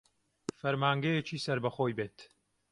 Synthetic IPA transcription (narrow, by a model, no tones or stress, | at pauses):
fɐɾmaːŋɡɐjet͡ʃiːsɐɾbɐxoːjbeːt̪